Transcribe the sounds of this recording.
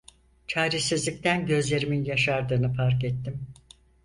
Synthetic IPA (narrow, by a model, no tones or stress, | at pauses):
t͡ʃʰaːɾesizlʲic̚t̪ʰænɟø̞zlʲe̞ɾiminjaʃaɾd̪ɯːnɯfaɾkɛt̪ːim